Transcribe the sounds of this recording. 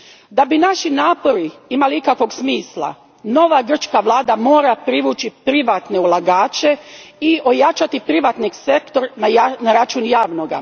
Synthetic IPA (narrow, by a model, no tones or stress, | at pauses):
d̪abinaʃinaːpo̞ɾiimaliikakʋo̞ɡsmiːslˠa̰ | no̞ʋaɡr̩t͡ʃkaʋlˠaːd̪amo̞ːɾapɾiʋuːt͡ʃipɾiʋat̪ne̞ulˠaɡaːt͡ʃeio̞jat͡ʃat̪ipɾiʋat̪niɡse̞kt̪o̞ɾnanaɾat͡ʃunjaːʋno̞ɡa̰